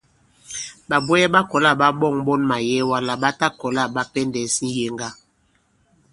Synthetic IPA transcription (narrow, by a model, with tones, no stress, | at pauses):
ɓa˨bɛ˦jɛ˦ɓa˦kɔ˨la˦˨ɓa˦ɓɔ˦˨ŋɓɔ˦nma˨jɛ˦wa˦la˦ɓa˦ta˦kɔ˨la˦˨ɓa˦pɛ˦ndɛ˨˦si˦je˦ŋɡa˦